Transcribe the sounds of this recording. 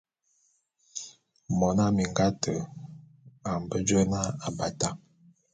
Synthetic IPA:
mɔ˨na˦mi˨ŋɡa˦tʰə˨ | a˨m˨bə˦d͡ʒə˦na˦a˨ba˨ta˦

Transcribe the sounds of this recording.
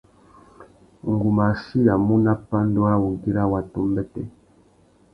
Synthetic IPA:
ŋ˨ɡu˨ma˨si˦ja˨mu˦na˦pa˦ndo˦a˦wu˨ŋ˨ki˦ɾa˦wa˨tu˦mbɛ˦tɛ˦

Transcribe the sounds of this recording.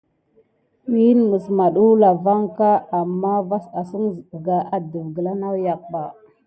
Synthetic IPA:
wi˦nmə˨sma˨ɗu˦la˨va˦ŋka˦a˨mːa˦va˦sa˨sə˦ŋzɡa˨ʔa˨də˨vɡə˨la˦na˦wja˨k̚ɓa˨

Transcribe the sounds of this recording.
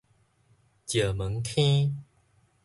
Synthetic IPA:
t͡ɕjə˨˩mə˨˦ŋkʰĩ˦

